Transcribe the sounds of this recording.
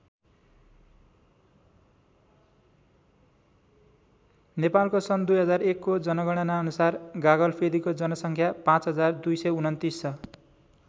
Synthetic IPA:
nepalkosʌnd̪ujɦʌd͡zarekːod͡zʌnʌɡʌɽ̃anaʌnusarɡaɡʌlpʰed̪ikod͡zʌnʌsʌŋkʰjapãt͡sɦʌd͡zard̪ujsʌjunʌnt̪isʌ

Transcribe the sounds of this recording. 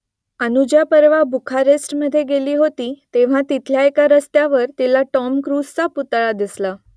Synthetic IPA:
ənud͡ʑjapəɾʋabʱukʰaɾesʈməd̪ʱːjeɡeliːɦot̪iːt̪eʋ̤ãt̪it̪ʰljaekaɾəst̪jaʋəɾt̪ilaʈɔmkɾust͡saput̪ɭad̪isla

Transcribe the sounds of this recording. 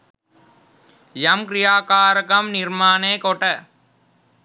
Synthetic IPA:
jɐmkɾɪjaːkaːɾɐkɐmnɪɾmaːneːkɔʈɐ

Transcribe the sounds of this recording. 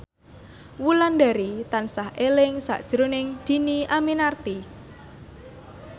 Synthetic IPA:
wulandaɾit̪ansahʔelɪŋsa̰ʔd̥ʒ̥əɾonɪŋd̪̥i̤niʔaminart̪i

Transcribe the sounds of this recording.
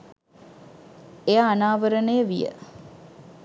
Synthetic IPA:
ejaːnaːʋəɾənejəʋijə̰

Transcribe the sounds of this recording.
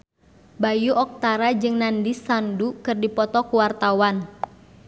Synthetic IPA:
bajuʔɔk̚t̪aɾad͡ʒɨŋnandisandukɨrdipɔt̪ɔkuwart̪awan

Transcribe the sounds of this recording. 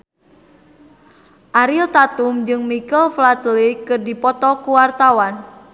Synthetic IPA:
ʔaɾilt̪at̪umd͡ʒɨŋmikəlflat̪likːɨrdipɔt̪ɔkuwart̪awan

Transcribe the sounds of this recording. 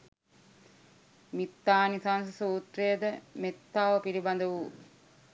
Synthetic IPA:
mit̪ːaːnisans̬ɐsuːt̪rejəd̪əmet̪ːaːʋəpiɾibɐnd̪əʋu

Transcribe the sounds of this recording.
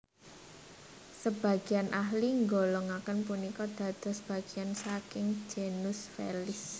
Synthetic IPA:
səb̥a̤ɡ̥i̤anʔahliŋɡolɔŋakənpunikɔd̪̥ä̤d̪̥ɔ̤sb̥ä̤ɡ̥iansakɪŋ̥d͡ʒ̥enʊsfḛlɪs

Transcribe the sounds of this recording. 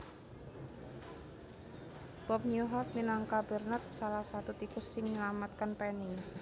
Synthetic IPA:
b̥ɔp̚ɲuɦɔrt̪̚minaŋkabərnat̪̚salahsat̪ut̪ikʊsːɪŋɲəlamat̪̚kanpɛni

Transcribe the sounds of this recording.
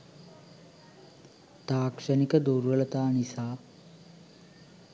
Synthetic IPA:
t̪aːkʂənikəd̪uɾʋələt̪aːnisaː

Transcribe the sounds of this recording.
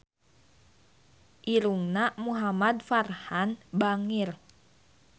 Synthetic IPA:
ʔiɾuŋnamuɦamad̪̚farhanbaŋir

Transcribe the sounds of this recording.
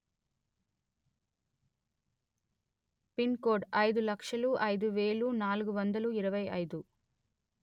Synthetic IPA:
pinkoːɖɐjd̪ulɐkʂɐluʔɐjd̪uʋeːlunaːluɡuʋɐnd̪ɐluiɾɐʋɐjɐ̰jd̪u

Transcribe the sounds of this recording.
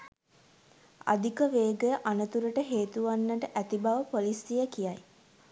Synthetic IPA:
a̰d̪ikəʋeːɡəʔanət̪uɾəʈəɦeːt̪uʋanːəʈəʔæt̪ibaʋəpolisijəkijaj

